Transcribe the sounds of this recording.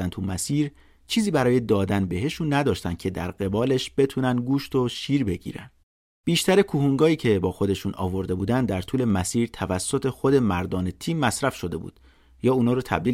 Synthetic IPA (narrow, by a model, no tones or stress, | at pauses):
ænt̪ʰumæsiːɾ | t͡ʃʰiːziːbæɾɒːje̞d̪ɒːd̪ænbe̞ɦe̞ʃunːæd̪ɒːʃt̪ænd̪̚cʰe̞d̪æ̰ɾɢe̞bɒːle̞ʃb̥e̞t̪ʰuːnænd̪ɡuːʃt̪o̞ʃiːɾbe̞ɡḭːɾæ̰n | b̥iːʃt̪æɾekʰuhuŋɡɒːiːcʰe̞bɒːxo̞d̪e̞ʃuːnʔɒ̰ːvo̞ɾd̪e̞buːd̪ænd̪æɾt̪ʰuːle̞mæsiːɾt̪ʰævæsːo̞t̪ʰe̞xo̞d̪e̞mæɾd̪ɒːne̞t̪ʰiːmːæsɾæfʃo̞d̪e̞bṵːd̪̥ | jɒːuːnɒːɾɔt̪ʰæ̰bliːl